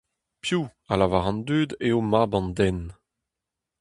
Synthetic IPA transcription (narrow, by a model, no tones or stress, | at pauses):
pjualavaʁɑ̃nd̪yːd̪eomabɑ̃nd̪ɛn